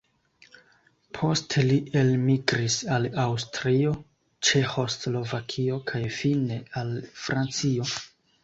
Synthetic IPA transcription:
pʰo̞stelie̞lmiɡɾisalawstɾio̞ | t͡ʃe̞xo̞slo̞vakʰio̞kʰajfine̞alfɾʔant͡sio̞

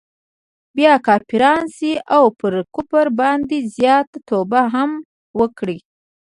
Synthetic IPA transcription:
bjɑkɑpiɾɑnsiʔawpəɾkʊpaɾbɑnd̪izjɑt̪at̪obaɦam | wəkɽi

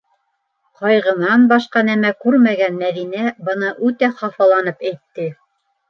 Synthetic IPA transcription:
qɑjʁɤ̆nɑnbɑʃqɑnæmækʉɾmæɡænmæðinæbɤ̆nɤʔʉt̪æχɑfɑlˠɑnɤpæjt̪ːɘ

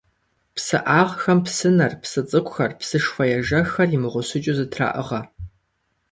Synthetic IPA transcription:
psɨʔaːʁxɐmpsɨnɐrpsɨt͡sʼɨkʷʼxɐrpsɨʂfɐjɛʒɐxɐrimɨʁʷʊɕʊt͡ʃʼuzɨtʰra̰ːʔɨ̰ʁɐ

